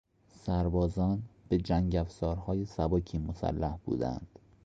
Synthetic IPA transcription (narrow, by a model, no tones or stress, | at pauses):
sæɾbɒːzɒːnb̥e̞d͡ʒæŋɟæfzɒːɾhɒːjesæbɒːcʰiːmosæ̰lːæhb̥ṵːd̪æ̰nd̪̥